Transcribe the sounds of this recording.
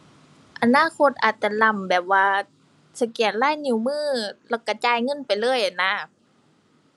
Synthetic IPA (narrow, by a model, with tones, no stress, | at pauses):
ʔa˧naː˧˥˨kʰo˧˥t̪̚ʔaː˨˩t̪̚t͡ɕa˧la˧˩mbɛː˨˩p̚waː˧ | sa˧ki˨˩ət̪̚laː˧˥˨jni˧˩˨wmɯː˥˩˨lɛː˧˩wka˧˩t͡ɕaː˧jŋɤ˧˥˨npa˨jlɤː˧˥˨jʔa˨na˧˥